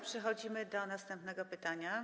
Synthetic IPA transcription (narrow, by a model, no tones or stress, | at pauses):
pʂɛxɔd͡ʑimɘd̪ɔnast̪ɛmpnɛɡɔpɘt̪aɲa